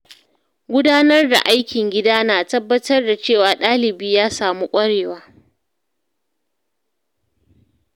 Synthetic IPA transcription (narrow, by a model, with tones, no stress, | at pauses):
ɡʷʊ˦daː˦nɐ˦rda̰˨ʔa˦jkʲɪ˨ŋɡʲɪ˦daː˦naː˨tɐ˦bːɐ˦tɐ˦rda˨t͡ʃeː˦˨waː˨ɗaː˦lɪ˨biː˦jaː˦saː˨mu˦kʷʼɐ˦ɽeː˨waː˦